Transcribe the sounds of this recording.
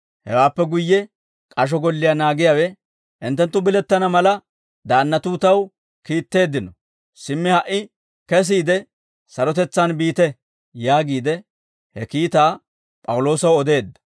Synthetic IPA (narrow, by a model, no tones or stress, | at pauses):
hɛ̰waːpːɛɡʊjːɛ | kʼɐʃ̬ɔɡɔlːɪjanaːɡɪjawɛ | ʔɪnt̪ːɛnt̪ːʊbɪlɛt̪ːɐnɐmɐlɐ | d̪aːnːɐt̪uːt̪ɐw | kiːt̪ːe̞ːd̪ːɪnɔ | sɪmːɪhɐʔːɪ | kɛs̬iːd̪ɛ | sɐɾɔt̪ɛt͡sːɐnbiːt̪ɛ | jaːɡiːd̪ɛ | hɛkiːt̪aː | pʼɐwʊlo̞ːsɐwɔd̪e̞ːd̪ːɐ̥